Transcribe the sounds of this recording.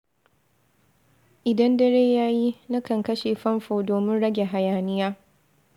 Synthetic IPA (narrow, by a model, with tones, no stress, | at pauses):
ʔɪ˨dɐ˦ndɐ˦ɽeː˦jaː˦ji˦nɐ˦kɐ˨ŋkɐ˦ʃeː˨ɸɐ˦mɸoː˨doː˨mɪ˦nɽɐ˦ɡʲe˨ɦa˨jaː˨nɪ˦jaː˦